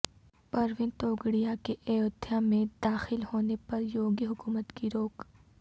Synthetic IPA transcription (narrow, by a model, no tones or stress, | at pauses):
pɐɾʋɪnt̪oːɡɽijakeʔejoːd̪ʰʱijamẽd̪aːxɪlhoːnepɐɾjoːɡiɦʊkuːmət̪kiɾoːk